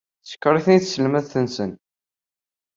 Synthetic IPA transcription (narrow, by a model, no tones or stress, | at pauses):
sə̥kːɾˤiθniθsəlmæðθənsən